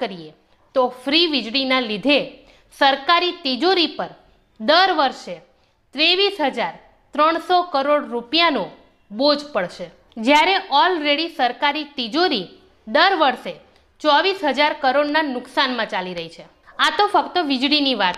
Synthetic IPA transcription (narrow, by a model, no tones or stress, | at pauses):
kəɾie | t̪ofɾiʋɪd͡ʒɽinãlid̪ʱe | səɾkaɾit̪id͡ʒoɾipəɾ | d̪əɾʋəɾʃe | t̪ɾeʋisɦəd͡ʒaɾ | t̪ɾəɳ̃sokəɾoɽɾupjanõ | bod͡ʒʱpəɭʃe | d͡ʒjaɾeɔlɾeɽisəɾkaɾit̪id͡ʒoɾi | d̪əɾʋəɾʃe | t͡ʃɔʋisɦəd͡ʒaɾkəɾoɽnanʊksanmãt͡ʃaliɾəɦit͡ʃʰe | at̪ofəkt̪əʋɪd͡ʒɽiniʋat̪